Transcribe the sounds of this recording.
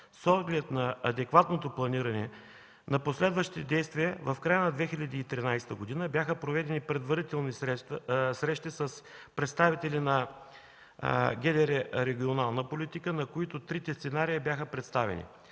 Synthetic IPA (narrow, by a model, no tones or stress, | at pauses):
sɔd̪ɡlɛt̪nɐɐd̪ɛkvat̪not̪oplˠɐniɾɐnɛ | nɐposlɛd̪vɐʃt̪itɛd̪ɛjst̪viəvɐfkɾajənɐd̪vɛxilʲɐd̪iːt̪ɾinajst̪əɡod̪inəbjaxəpɾovɛd̪ɛnipɾɛd̪vɐɾit̪ɛlˠnisɾɛsɾɛʃt̪isɐspɾɛt̪st̪avit̪ɛlinɐ | ɡʲɛd̪ɛɾɛɾɛɡʲionalˠnəpolʲit̪ikənɐkoit̪ʊt̪ɾit̪ɛst̪sɛnaɾiibʲjaxəpɾɛt̪st̪avɛ̰nḭ